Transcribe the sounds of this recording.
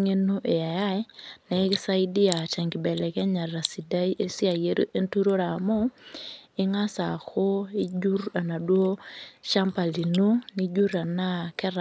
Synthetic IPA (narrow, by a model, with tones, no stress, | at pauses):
ŋe˦no˦ʔe˨a˨ja˦ɪ˦nɛ˨˦kɪ˦sa˦i˦dɪ˦a˨t͡ʃɛ˨ŋɡɪ˨bɛ˨lɛ˨kɛ˦ɲa˨ra˨si˨da˦i˦ʔe˦sɪ˦a˨je˦ɾo˦ʔe˦ntu˦ɾo˦ɾa˨mo˦ | ɪ˦ŋa˦sa˨ko˦i˦d͡ʒu˦ra˨na˨dwo˦ʃa˦mpa˨li˨no˦ni˦d͡ʒu˦ɾa˨na˦kɛ˦ɾ